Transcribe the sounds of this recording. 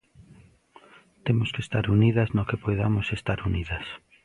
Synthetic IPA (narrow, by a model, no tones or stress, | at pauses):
t̪emoskest̪aɾuniðɐznokepojðamosest̪aɾuniðɐs